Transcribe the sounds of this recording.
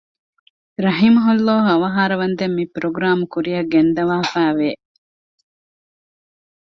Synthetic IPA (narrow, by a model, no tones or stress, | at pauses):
ɾɐɦimɐɦulːɔːɦuɐʋɐɦaːɾɐʋɐnd̪emːipɾoɡɾaːmukuɾijɐɡend̪ɐʋaːfæːʋeː